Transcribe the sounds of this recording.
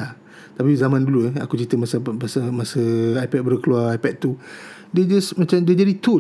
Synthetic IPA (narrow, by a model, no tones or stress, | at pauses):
a | t̪apizamãnduluɛa̰kut͡ʃit̪əmasəmasəmasəajpɛt̚bəɾəkəluarajpɛt̪̚t̪u | ded͡ʒasmat͡ʃamded͡ʒadit̪u